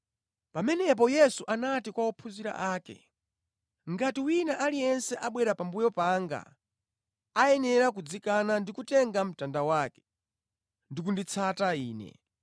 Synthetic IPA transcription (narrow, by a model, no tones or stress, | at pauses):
pamɛnɛp̬ɔjɛsuʔanatikwaɔpʰuziɾa̰ʔaːkɛ̰ | ŋɡatiwinaʔalijɛnsɛʔaɓwɛɾapambujɔpaŋɡa̰ | aɛnɛɾak̬ud͡zikanandikutɛŋɡam̩tandawaːkɛ̥ | ndikundit͡sʰataiːnɛ̰